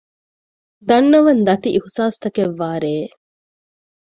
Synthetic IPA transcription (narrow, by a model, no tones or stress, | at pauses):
d̪ɐnːɐʋɐnd̪ɐt̪iʔihusaːst̪ɐkeʋːaːɾeː